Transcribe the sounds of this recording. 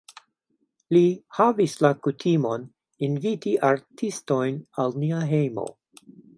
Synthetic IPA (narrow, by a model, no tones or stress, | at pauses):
lihavislakutʰimo̞n | invitiʔaɾtʰisto̞jnalniaɦejmo̰